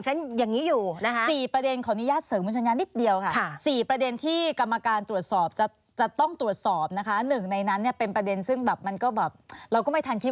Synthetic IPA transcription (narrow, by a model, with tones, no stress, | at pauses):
t͡ɕʰa˦˥njaː˨˩ŋːiː˦˥juː˨˩na˦˥kʰa˦˥siː˨˩pɾa˧de˧nkʰɔː˨˩˦nu˦˥jaː˥˩t̪̚sɤː˨˦mbuː˧nt͡ɕʰa˧jaː˧nːi˦˥t̪̚di˧əwkʰa˥˩˦siː˨˩pɾa˧de˧nt̪ʰiː˥˩ka˧mːa˧kaː˧nt̪ɾu˨˩ət̪̚sɔː˨˩p̚t͡ɕa˨˩ | t͡ɕa˨˩t̪ɔ˥˩ŋt̪ɾu˨˩ət̪̚sɔː˨˩p̚na˦˥kʰa˦˥nɯ˨˩ŋna˧jna˦˥nːi˥˩ɐpe˧npɾa˧de˧nsɯ˥˩ŋbɛː˨˩p̚ma˧nkɔː˥˩bɛː˨˩p̚ɾa˧wkɔ˥˩ma˥˩jt̪ʰa˧nkʰi˦˥